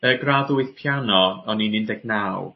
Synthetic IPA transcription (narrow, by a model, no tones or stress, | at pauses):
əɡraðʊɨθpʰjanɔɔninɪndɛɡnaːw